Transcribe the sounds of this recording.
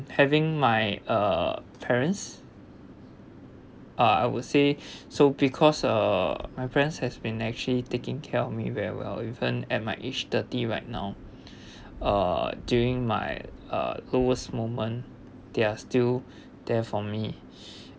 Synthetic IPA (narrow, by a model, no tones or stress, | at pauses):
hɛvɪ̃ŋmajʌpʰɛɹə̃ns | ʔʌa̰jwudsesobikʰɔsʌ̰majpʰɛɹə̃nshɛsbĩnɛk̚t͡ʃuəlitekɪ̃ŋkʰɛɔfmḭwɛɹḭwɛ̰livə̃nɛt̚maɪʔet͡ʃtətiɹa̰ɪt̚na̰ʊ | ʌ̰djuɹɪ̃ŋma̰jʌ̰loəsmomə̃n | d̥eastil | d̥ɛfɔmi